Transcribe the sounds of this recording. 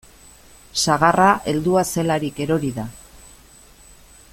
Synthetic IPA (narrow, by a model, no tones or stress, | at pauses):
saɣ̞arʔaʔe̞ld̪uase̞laɾike̞ɾo̞ɾiða